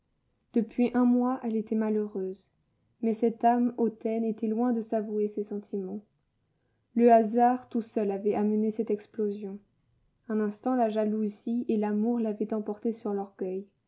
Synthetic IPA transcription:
d̪̥əpɥiʔɛ̃mwaʔɛlet̪ɛmaløʁøz | mɛsɛt̪amot̪ɛnet̪ɛlwɛ̃d̪əsavuesesɑ̃t̪ʰimɑ̃ | ləazaʁt̪usœlavɛʔamənesɛt̪ɛksplozjɔ̃ | ɛ̃nɛ̃st̪ɑ̃laʒaluzielamuʁlavɛt̪ɑ̃pɔʁt̪esyʁlɔʁɡʲœj

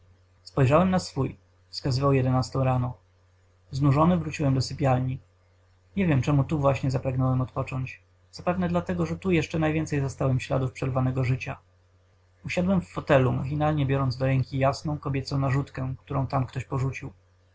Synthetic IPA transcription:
spɔjʐawɛmnasfuj | fskazɘvawjɛd̪ɛnast̪ɔ̃w̃ɾanɔ | znuʐɔnɘvɾut͡ɕiwɛmd̪ɔsɘpʲjalɲi | ɲɛvʲjɛmt͡ʂɛmut̪uvwaɕɲɛzapɾaɡnɔwɛmɔt̪pɔt͡ʂɔɲt͡ɕ | z̥apɛvnɛd̪lat̪ɛɡɔʐɛt̪ujɛʂt͡ʂɛnajvʲjɛnt̪sɛjzast̪awɛmfɕla̰d̪ufpʂɛɾvanɛɡɔʐɘt͡ɕa̰ | uɕad̪wɛmfːɔt̪ɛlumaxʲinalɲɛbʲjɔɾɔnd̪zd̪ɔɾɛŋkʲijasnɔ̃w̃kɔbʲjɛt̪sɔ̃w̃naʐut̪kɛkt̪uɾɔ̃w̃t̪amkt̪ɔɕpɔʐut͡ɕiw

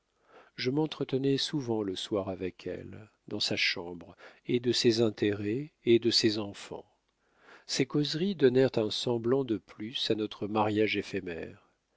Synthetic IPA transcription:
ʒəmɑ̃t̪χət̪ənɛsuvɑ̃ləswaʁavɛkʰɛ̰l | d̪ɑ̃saʃɑ̃bʁed̪əsɛzɛ̃t̪eʁɛed̪əsɛzɑ̃fɑ̰̃ | sekɔzʁid̪ɔnɛʁt̪ɛ̃sɑ̃blɑ̃d̪əplysanɔt̪χəmaʁjaʒefemɛ̰ʁ

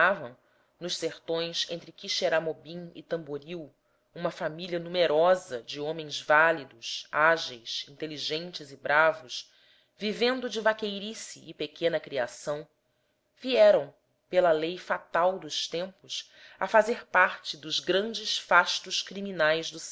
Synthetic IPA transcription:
avɐ̃w̃ | nʊʃseɾt̪õj̃sẽnt̪ɾɪkiʃeɾamobĩŋɪ̰t̪ɐ̃mboɾiw | ũmɐfamilʲiɐnumeɾɔzɐd͡ʒɪõmẽj̃zvalid̪ʊsaʒejsĩnt̪eliʒẽnt͡ʃɪzɪbɾavʊʃ | vivẽnd̪ʊd͡ʒɪvakejɾisiʔːpekʰẽnɐkɾiasɐ̃w̃ | viɛɾɐ̃w̃ | pelɐlejfat̪awd̪ʊʃt̪ẽmpʊs | ɐfazeɾpaɾt͡ʃɪd̪ʊzɡɾɐ̃nd͡ʒɪsfaʃt̪ʊʃkɾiminajzd̪ʊs

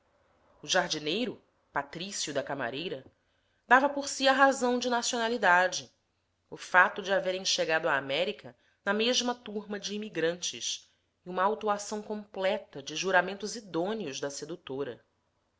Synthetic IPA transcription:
ʊʒaɦd͡ʒinejɾʊ | pat̪ɾisjʊd̪ɐkama̰ɾejɾɐ | d̪avɐpoɾsiɐɦazɐ̃w̃d͡ʒɪnasionalid̪ad͡ʒɪ | ʊfat̪ʊd͡ʒɪaveɾẽʃeɡad̪ʊaːmɛɾikɐ | nɐmeʒmɐt̪uɾmɐd͡ʒɪːmiɡɾɐ̃nt͡ʃɪ̰ʃ | ɪũmɐːwt̪uasɐ̃w̃kõmplɛt̪ɐd͡ʒɪʒuɾamẽnt̪ʊzid̪õniʊʒd̪ɐsed̪ut̪oɾɐ̰

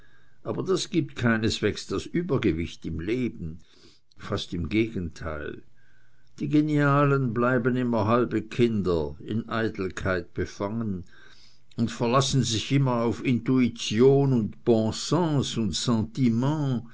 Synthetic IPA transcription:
ʔaːbɐdasɡ̥iːp̚tkʰaɪnəsv̥eːksd̥asʔyːbɐɡəvɪçtɪmleːbn̩ | fastɪmɡeːɡən̩tʰa̰ɪl | d̥iːɡeniaːlənblaɪbənɪmɐɦalbəkʰɪndɐɪ̰nʔaɪtl̩kʰaɪt̚b̥əfaŋən | ʊntfɛɐlasn̩zɪçʔɪmɐaʊfɪntuit͡sjoːnʊntb̥ɔ̃sɑ̃ːsʊntsɑ̃ːtimɑ̃

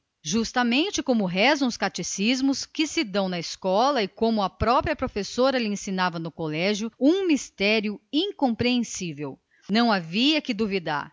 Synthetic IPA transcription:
ʒust̪ɐmẽnt͡ʃɪkõmʊɦɛzɐ̃w̃ʊskat͡ʃisizmʊskɪsɪd̪ɐ̃w̃nɐɪskɔlɐɪkõmʊɐpɾɔpɾiɐpɾofesoɾɐlɪẽsĩnavɐnʊkolɛʒjʊũmist̪ɛɾjʊĩŋkõpɾeẽsivew | nɐ̃w̃aviɐkɪd̪ovid̪a̰ɾ

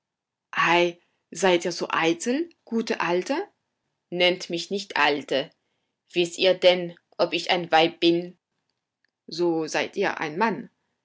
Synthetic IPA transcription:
ʔaɪ | zaɪtʔiːɐzo̰ːʔaɪtl̩ɡ̥uːtəʔaltə | nɛntmɪçnɪçtʔaltə | v̥ɪstʔiːɐdɛn | ʔɔpɪçʔa̰ɪnvaɪp̚b̥ɪn | zoːzaɪtʔḭːɐʔa̰ɪnman

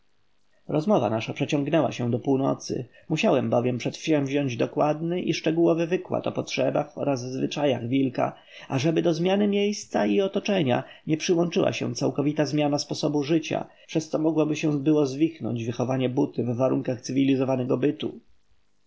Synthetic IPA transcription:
ɾɔzmɔva̰naʂapʂɛt͡ɕɔŋɡnɛwa̰ɕɛ̃d̪ɔpuwnɔ̰t̪sɘ̰ | muɕawɛmbɔvʲjɛmpʂɛt̪fɛ̃vʑɔɲd͡ʑd̪ɔkwad̪nɘʔiʂt͡ʂɛɡuwɔvɘvɘkwa̰t̪ɔpɔtʂɛbaxɔ̰ɾazvzvɘt͡ʂaja̰ɣvʲilka̰ | ʔaʐɛbɘd̪ɔzmʲjanɘmʲjejst̪saiɔt̪ɔt͡ʂɛɲa̰ɲɛpʂɘwɔnt͡ʂɘwʔa̰ɕɛ̰̃t̪sawkɔvʲit̪azmʲjanaspɔsɔbuʐɘt͡ɕa̰ | pʂɛst̪sɔmɔɡwabɘɕɛ̃bɘwɔzvʲixnɔ̰ɲd͡ʑvɘxɔvaɲɛbut̪ɘvːaɾuŋkaxt̪sɘvʲilʲizɔvanɛɡɔbɘt̪ṵ

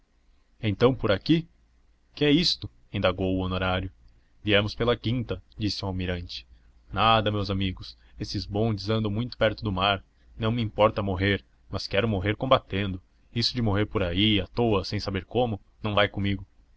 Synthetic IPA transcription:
ẽnt̪ɐ̃w̃poɾaki | kɪɛist̪ʊ | ẽnd̪aɡowʊonoɾaɾjʊ | viɛmʊspelɐkĩnt̪ɐd͡ʒisɪuwawmiɾɐ̃nt͡ʃɪ̥ | nad̪ɐmewzamiɡʊs | esɪzbõnd͡ʒɪzɐ̃nd̪ɐ̃w̃mũj̃t̪ʊ̥pɛɾt̪ʊd̪ʊmaɾ | nɐ̃w̃mɪĩmpɔɾt̪ɐmoɦeɾ | mɐskɛɾʊmoɦeɾkõmbat̪ẽnd̪ʊ | isʊd͡ʒɪmoɦeɾpoɾaiɐt̪oɐsẽj̃sabeɾkõmʊ | nɐ̃w̃vajkõmiɡʊ

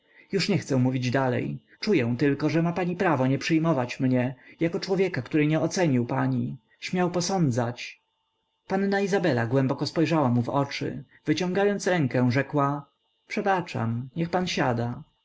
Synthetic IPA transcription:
juʂɲɛxt̪sɛ̃muvʲid͡ʑd̪alɛ̰j | t͡ʂujɛ̃w̃t̪ɘlkɔʐɛmapaɲipɾavɔɲɛpʂɘjmɔvat͡ɕmɲɛjakɔt͡ʂwɔvʲjɛkakt̪uɾɘɲɛɔt̪sɛɲiwpaɲi | ɕmʲawpɔsɔnd̪zat͡ɕ | panːaizabɛlaɡwɛ̃mbɔkɔspɔjʐawamuvɔ̰t͡ʂɘ̰ | vɘt͡ɕɔ̃ŋɡajɔnt̪sɾɛŋkɛ̃w̃ʐɛkwa | pʂɛbat͡ʂa̰mɲɛxpanɕad̪a

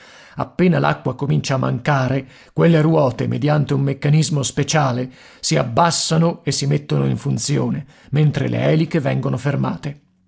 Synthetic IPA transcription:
a̰pːeːnalʔa̰kːwakomint͡ʃaːmːa̰ŋkaːɾe | kwelːerwɔːt̪emḛd̪jant̪eumːekːanizmospet͡ʃaːle | siabːasːanoesːimet̪ːonoiɱfunt̪sjoːne | ment̪ɾḛlḛɛːlikevɛŋɡonoferma̰ːt̪e

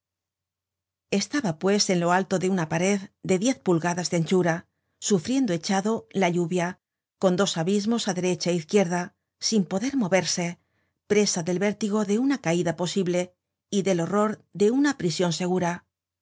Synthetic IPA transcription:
e̞st̪aβapwe̞se̞nlo̞alt̪o̞ðe̞unapaɾe̞ðd̪e̞ðje̞θpulɣaðazðeant͡ʃuɾa | sufɾje̞nd̪o̞e̞t͡ʃaðo̞laʎuβja | ko̞nd̪o̞saβizmo̞saðe̞ɾe̞t͡ʃaeiθkje̞ɾða | simpo̞ðe̞ɾmo̞βe̞ɾse̞ | pɾe̞saðe̞lβe̞ɾt̪iɣ̞o̞ðe̞unakaiðapo̞siβle̞ | iðe̞lo̞ro̞ɾðe̞unapɾisjo̞nse̞ɣ̞uɾa

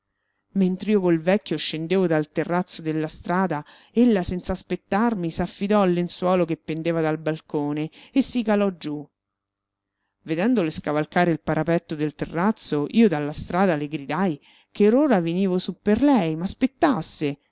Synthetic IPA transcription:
ment̪ɾiːokolvɛkʲːjoʃend̪eːvod̪alt̪erːat̪sːod̪elːast̪ɾaːd̪a | elːasɛnt̪saːspet̪ːarmisafːid̪ɔalːenswɔːlokepːend̪eːvad̪albalkoːneːsːikalɔd͡ʒu | ved̪ɛnd̪oleskavalkaːɾeilpaɾʔapɛt̪ːod̪elt̪erːat̪soʔiːod̪alːast̪ɾaːd̪aleɡɾid̪aj | keɾoːɾaveniːvosupːerlɛjmaspet̪ːasːe

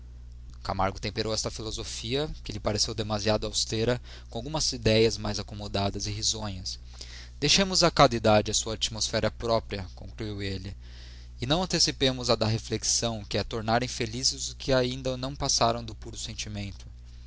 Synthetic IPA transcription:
kamaɾɡʊt̪ẽmpeɾʔowɛst̪ɐfilozofiɐkɪlɪpaɾesewd̪emaziad̪ʊawst̪eɾɐ | kõawɡũmɐzid̪ɛjɐzmajzakomod̪ad̪ɐzɪɦizõɲɐs | d̪̥ejʃẽmʊzɐkad̪id̪ad͡ʒɪɐsuɐat͡ʃimosfɛɾɐpɾɔpɾiɐkõŋkluiwelɪ | ɪnɐ̃w̃ɐ̃nt̪esipẽmʊzad̪aɦefleksɐ̃w̃kɪɛt̪oɾnaɾẽj̃felizɪzʊkʰɪaĩnd̪ɐnɐ̃w̃pasaɾɐ̃w̃d̪ʊpuɾʊsẽnt͡ʃimẽnt̪ʊ̥

